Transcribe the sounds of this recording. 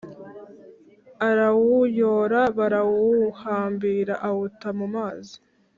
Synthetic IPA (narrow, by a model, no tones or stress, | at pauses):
aɾawujoːɾaβaɾawuhaːmbiːɾaʔawutamumaːzi̥